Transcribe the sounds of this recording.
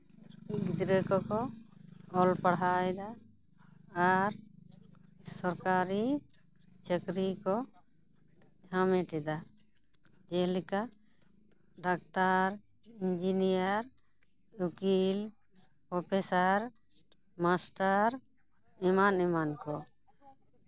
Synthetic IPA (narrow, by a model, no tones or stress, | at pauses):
ɡid̪ɾəkɔkɔ | ɔlpaɽaɛd̪aː | ɾ | sɔɾkaɾi | t͡ʃəkɾikɔ | d͡ʒʱameʈɛd̪a | d͡ʒɛlika | ɖakt̪aɾ | ind͡ʒinijaɾ | ukil | pɔpesaɾ | masʈaɾ | ɛmanɛmankɔ